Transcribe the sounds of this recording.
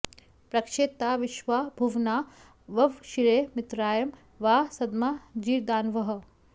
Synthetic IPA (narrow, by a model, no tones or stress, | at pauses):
pɾɐkʃeːt̪aːʋiʃʋabʱuʋnaː | ʋɐʋʃiɾeːmɪt̪ɾaːjɐm | ʋaːsɐd̪maːd͡ʒiːɾd̪aːnʋɐɦɐ̆